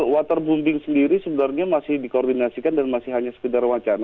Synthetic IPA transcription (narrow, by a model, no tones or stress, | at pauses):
wat̪ərbumbɪŋsəndiɾisəbənarɲamasɪhdikordinasikandanmasɪhɦaɲasə̥kədarwat͡ʃana